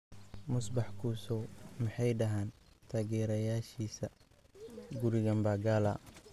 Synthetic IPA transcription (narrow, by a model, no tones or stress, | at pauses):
mʊsbɑħkʰuːsɔwmɪħɑjɖɐɦaːnt̪ʰaːɣɛːɾɐjaːʃiːsɐ | ɡʊɾɪɣɐmbaːɡaːlɐ